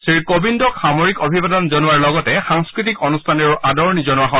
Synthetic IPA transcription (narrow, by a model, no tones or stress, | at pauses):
sɹiɹkobindɔkxamoɹikobʱibadɔnzɔnuwaɹlɔɡɔtɛxaŋskɹit̬ikɔnustʰanɔɹadɔɹnizɔnuwaɦɔ̃